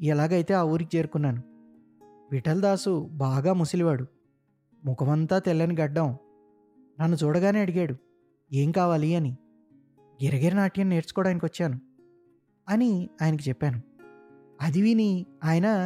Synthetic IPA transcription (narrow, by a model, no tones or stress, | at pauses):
ɛlaːɡɐjt̪e̞ːaːʋuːɾikit͡ʃe̞ːɾukunːaːnu | ʋiʈɐld̪aːsubaːɡaːmusiliʋaːɽu | mukɐʋɐnt̪aːt̪elːɐniɡɐɖːɐm | nɐnːut͡ʃuːɽɐɡaːne̞ːɐɽiɡaːɽu | e̞ːŋkaːʋaːliɐni | ɡɛɾɐɡeɾinaːʈijɐnːe̞ːɾt͡ʃu̥kɔːɽaːjɐnikiʋɐt͡ʃːaːnu | ɐniaːjnɐk̬it͡ʃɛpːaːnu | ɐd̪iʋiniaːjɐnɐ